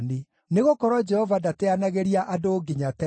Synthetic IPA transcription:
ne | neɣokɔɾɔd͡ʒɛhɔvadateanaɣeɾiaʔadoːɡiɲatɛ

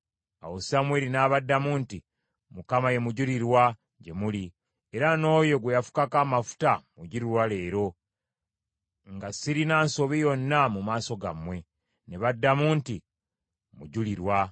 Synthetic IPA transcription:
a̰wosamweːɾinaːβadːamuːnti | mukamaje̞muɟuliɾwa | ɟe̞muli | eɾano̞ːjo̞ɡwejafu̥kakamafu̥tamuɟuɾiɾwale̞ːɾo̞ | ŋɡasiɾinaːnso̞βijo̞nːamumaːso̞ɡa̰mwe̞ | ne̞βadːamuːnti | muɟuliɾwa

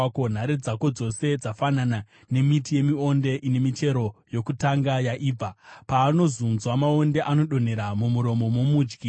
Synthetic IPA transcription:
kon̤aɾed͡zako̞d͡zo̞se̞d͡zafanana | ne̞mitije̞mio̞nde̞ʔine̞mit͡ʃe̞ɾo̞jo̞kutaŋɡajaʔiːb͡vapaːno̞zunzwamao̞nde̞ʔano̞ɗo̞n̤e̞ɾamumuɾo̞mo̞momuːd͡ʒɡi

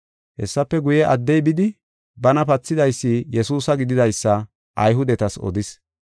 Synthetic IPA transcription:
hɛsːɐpːɛɡʊjɛʔɐd̪ːɛjbɪd̪ɪ | bɐnɐpɐt͡sːɪd̪ɐjsːijɛsuːsɐɡɪd̪ɪd̪ɐjsːɐ | ʔɐjɦʊd̪ɛt̪ɐsɔ̰d̪ɪs

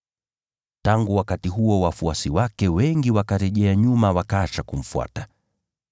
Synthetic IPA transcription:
taŋɡuwakatiɦuɔwafuasiwakɛwɛŋɡiwakaɾɛʄɛaɲumawakaːt͡ʃakum̩fua̰ta

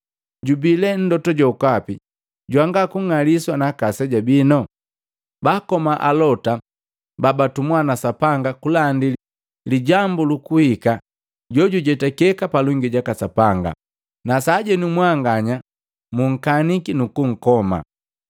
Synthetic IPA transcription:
ɟubilɛn̩dɔtɔɟɔukapi | ɟwaŋɡakuŋaliswanakasɛɟabinɔ | bakɔmaʔalɔta | babatumwanasapaŋɡakulandi | liɟambulukuhika | ɟɔɟuɟɛtakɛkapaluŋɡiɟakasapaŋɡa̰ | nasaːɟɛnumwaŋɡaɲa | muŋ̩kanikinukuŋ̩kɔma̰

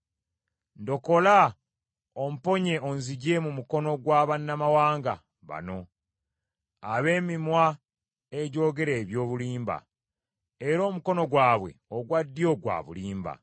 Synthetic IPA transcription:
ndo̞ko̞la | om̩po̞ɲe̞onziɟe̞mumuko̞no̞ɡwaːβanːamawaːŋɡa | βa̰no̞ | aβe̞ːmimwa | e̞ɟo̞ːɡe̞ɾe̞ːβjoːβuliːmba̰ | eɾo̞ːmuko̞no̞ɡwaːβwe̞̰oɡwadːijo̞ɡwa̰ːβṵliːmba̰

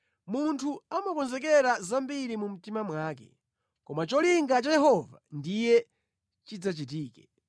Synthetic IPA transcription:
muntʰuamakɔnzɛk̬ɛɾazambiɾimum̩timamwaːkɛ̰ | kɔmat͡ʃɔliŋɡat͡ʃajɛɦɔva̰ndijɛ | t͡ʃid͡zat͡ʃit̬iːkɛ

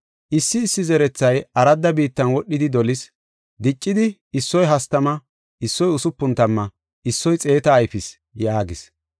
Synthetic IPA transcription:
ʔɪsːɪːsːɪzɛɾɛt͡sːɐjʔɐɾɐd̪ːɐbiːt̪ːɐnwɔɗːɪd̪ɪd̪ɔlɪs | d̪ɪt͡ʃʼːɪd̪ɪː | sːɔjɦɐst̪ɐmɐ | ʔɪsːɔjʊsʊpːʊnt̪ɐmːɐ | ʔɪsːɔjt͡sʼe̞ːt̪ɐːjfɪs | jaːɡɪs

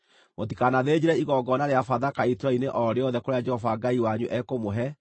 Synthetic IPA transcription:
motikanaðed͡ʑeɾɛiɣɔɡɔnaɾeafaðakaitɾaineʔɔɾeɔðɛkoɾead͡ʒɛhɔvaɡaiwaɲuʔɛkomoɦɛ

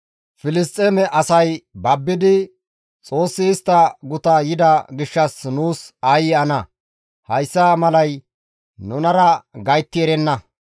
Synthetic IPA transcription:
fɪlɪst̪ʼːeːmɛʔɐsɐjbɐbːɪd̪ɪ | t͡sʼo̞ːsːɪːst̪ːɐɡʊt̪ɐjɪd̪ɐɡɪʃːɐsnuːsajɪɐnɐ | hɐjsːamɐlɐj | nʊnɐɾɐɡɐjt̪ːɪɛɾɛnːɐ

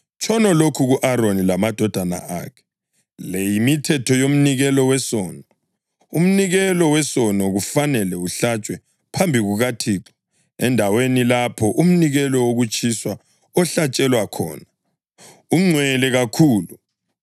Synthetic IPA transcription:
t͡ʃʰʼɔnɔlokʰuɣuʔaɾonilamad̥ʱɔd̥ʱana̰ʔa̰kʰɛ̥ | lejimitʰɛtʰɔjom̩niɣɛlɔwɛsɔːnɔ | um̩niɣɛlɔwɛsɔnɔɣufanɛlɛuɬat͡ʃʼwɛ | pʰambʱiɣuɣatʰiːǁɔ | ɛndʱawenilapʰɔʔum̩niɣɛlɔwoɣut͡ʃʼʰiswa | ɔɬat͡ʃʼɛlwakʰɔ̰ːna | uŋ͡ǀʱwɛlɛɣakʰuːlu

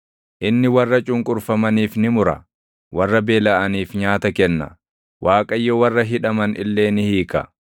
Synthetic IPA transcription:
ʔɪnːɪwɐrːɐt͡ʃʼʊŋkʼʊɾfɐmɐniːfnɪmʊɾɐ̰ | wɐrːɐbe̞ːlɐʔɐniːfɲaːt̪ɐkɛnːɐ̰ | wʔaːkʼɐjːɔwɐrːɐɦɪᶑɐmɐnʔɪ̰lːe̞ːnɪhiːkɐ̰

